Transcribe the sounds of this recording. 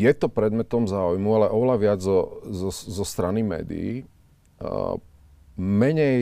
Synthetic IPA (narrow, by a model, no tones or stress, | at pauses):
jɛt̪ɔpɾɛd̪mɛt̪ɔmzaːujmualɛʔɔʋɛlaʋɪad͡zzɔzɔzɔst̪ɾanimɛ̰ːd̪ḭḭ | mɛɲɛj